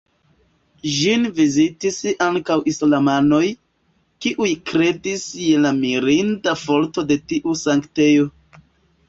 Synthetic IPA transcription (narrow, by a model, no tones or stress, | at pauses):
ʒinvizitisaŋkawʔislamano̞j | kiʔujkɾe̞disjelamiɾindafo̞ɾto̞de̞tiʔusaŋkte̞jo̞